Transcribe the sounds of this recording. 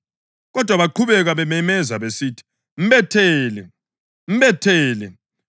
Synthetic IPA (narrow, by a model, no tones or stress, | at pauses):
ɣɔd̥ʱwaβaǃʰuβɛɣaβɛmɛmɛzaβesitʰi̥ | m̩βɛtʰɛːlɛ | m̩βɛtʰɛːlɛ